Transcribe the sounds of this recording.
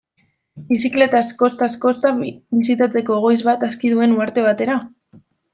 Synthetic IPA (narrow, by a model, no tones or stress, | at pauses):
bisikle̞t̪asko̞st̪asko̞st̪abisit̪at͡se̞ko̞eɣ̞o̞jzβat̪askiðue̞nuaɾt̪e̞β̞at̪e̞ɾa